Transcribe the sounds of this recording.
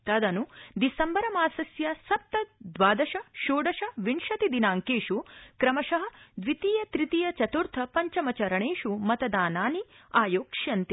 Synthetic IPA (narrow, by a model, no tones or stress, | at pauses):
t̪ɐd̪ɐnud̪isɐmbɐɾɐmaːsɐsjɐsɐp̚t̪ɐd̪ʋaːd̪ɐʃɐʃoːɖɐʃɐʋiɳʂɐt̪id̪inaːŋkeːʂukɾɐmɐʃɐɦɐ̆d̪ʋit̪ijɐt̪ɾit̪ijɐt͡ʃɐt̪uɾt̪ʰɐpɐɲt͡ʃɐmɐt͡ʃɐɾɐɳeːʂumɐt̪ɐd̪aːnaːniaːjoːkʂjɐnt̪i